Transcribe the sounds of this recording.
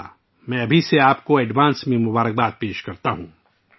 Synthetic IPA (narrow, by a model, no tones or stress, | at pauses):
mɛ̃ɐbʱiseaːpkoɛɖʋaːnsmẽmʊbaːɾək̚baːd̪̚peːʃkɐɾt̪aɦũː